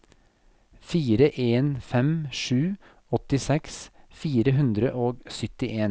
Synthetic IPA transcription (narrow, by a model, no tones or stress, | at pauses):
fiːɾəʔeːnfɛmʂʉː | ɔt̪ɪsɛksfiːɾəɦʉnd̪ɾəʔoːɡsʏt̪ɪʔeːn